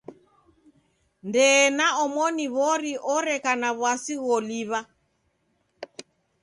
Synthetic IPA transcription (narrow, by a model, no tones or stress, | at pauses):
ndɛːnaɔmɔniβɔɾiʔɔɾɛkanaβwasiɣɔliβa